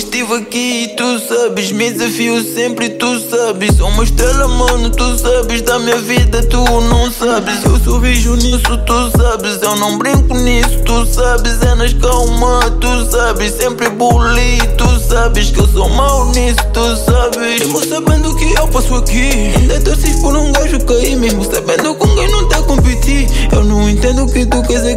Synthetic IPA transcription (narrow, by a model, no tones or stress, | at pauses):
ʃt̪ivɐkit̪usabɨʃmẽd̪zɐfiusẽmpɾɨt̪usabɨʃoumɐʃt̪ɾɛlɐmɐ̃nut̪usabɨʒd̪ɐmĩɲɐviðɐt̪unɐ̃w̃sabɨʃewsoviʒunisut̪usabɨzewnɐ̃w̃bɾĩŋkunisu̥t̪usabɨzɛnɐʃkawmɐt̪usabɪʃsẽmpɾbulit̪usabɪʃkewsowmawnisu̥t̪usabɪʒmusabẽnd̪ukɪewpasuɐkiẽd̪ɐd̪osiʃpɔɾũw̃ɡaʒukɐimeʒmusabẽnd̪ukõɡẽj̃nɐ̃w̃t̪ɛkõpit̪iɾ | ewnɐ̃w̃ẽnt̪ẽnd̪uukɪt̪ukɐze